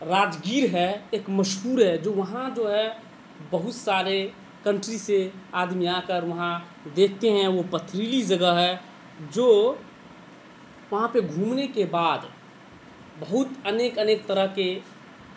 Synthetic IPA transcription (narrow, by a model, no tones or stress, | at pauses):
ɾaːd͡ʒɡiːɾɦɛeːkməʃɦuːɾɦɛd͡ʒoːʋɐɦãd͡ʒoːɦɛ | bɐɦʊt̪saːɾe | kə̃ɳʈɾiseaːd̪mijakəɾʋɐɦã | d̪eːk̚ʰt̪eɦɛ̃ʋopət̪ʰːɾiːlid͡ʒəɡəɦɛ | d͡ʒoː | ʋɐɦãpeɡʱũːmnekebaːd̪ | bəɦʊt̪əneːkəneːk̚t̪əɾəɦke